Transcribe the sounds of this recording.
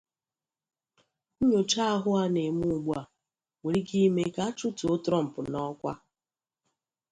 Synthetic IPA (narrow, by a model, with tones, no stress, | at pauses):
ɲo˨t͡ʃa˦ɦʊ˦a˦ne˨mu˦˨ɡ͡bu˦a˨ | we˨ɾi˦ɡi˦me˦ka˦t͡ʃʊ˦to˨˦tɾɔ˦m̩˨pʊ˨nɔ˦kʷa̰˦